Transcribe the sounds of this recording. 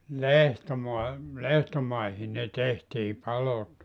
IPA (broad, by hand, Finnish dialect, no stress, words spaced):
lehtomuɑ lehtomɑihi ne tehtiː pɑlot